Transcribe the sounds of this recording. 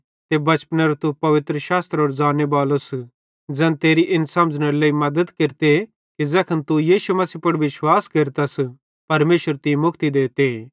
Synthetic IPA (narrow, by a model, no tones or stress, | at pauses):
t̪ebɐt͡ʃpnɐɾt̪upɐʋɪt̪ɾəʃaːst̪ɾoːɾd͡ʒaːnjəbaːlos | d͡zɛ̃ːnt̪eːɾiʔɪnsɐ̃md͡ʒnɐɾleːimɐd̪əd̪keɾt̪e | kid͡zɛːkʰɐnt̪ujiːʃumɐsiːpɐɽʋɪʃwaːskeːɾt̪ɐs | pɐɾmeːʃəɾt̪imʊkʰt̪id̪eːt̪e